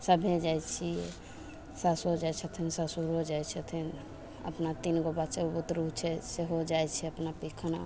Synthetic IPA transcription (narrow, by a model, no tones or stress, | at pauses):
səbʱed͡ʒajt͡ʃʰiɛ | sasod͡ʒajt͡ʃʰət̪ʰinsasuɾod͡ʒajt͡ʃʰət̪ʰin | ə̰pnat̪inɡobat͡ʃeobut̪ɾuɦt͡ʃʰɛseɦod͡ʒajt͡ʃʰɛəpnapikʰna̰